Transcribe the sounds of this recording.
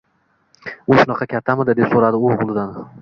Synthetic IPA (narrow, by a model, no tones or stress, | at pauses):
ʊʃʊnɑqʰɑkʲʰat̪ʰːamɪd̪ɪd̪e̞psoɾad̪ɪʊʁʊlˠɪd̪an